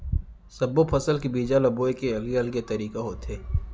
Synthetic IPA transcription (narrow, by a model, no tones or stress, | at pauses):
sɐbopʰɐsəlkibiːd͡ʒalɐboːekeɐlɡeɐlɡet̪ɐɾiːkaɦoːt̪ɦeː